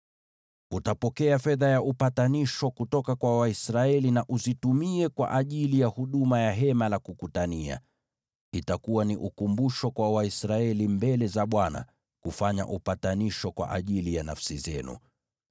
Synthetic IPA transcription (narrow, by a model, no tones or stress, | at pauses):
utapɔkɛafɛðajaʔupataniʃɔkutɔkakwawaisɾaɛlinaʔuzitumiɛkwa̰ʔaʄilijahuɗumajaɦɛmalakukutania̰ | itakuwaniʔukumbuʃɔkwawaisɾaɛlimbɛlɛzaɓwana̰ | kufaɲa̰ʔupataniʃɔkwa̰ʔaʄilijanafsizɛ̰nṵ